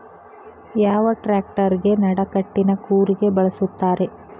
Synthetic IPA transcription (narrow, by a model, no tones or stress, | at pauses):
jaːʋɐʈɾaːk̚ʈɐɾiɡe̞nɐɽɐkɐʈːinɐkuːɾiɡe̞bɐɭɐsut̪ːaːɾe̞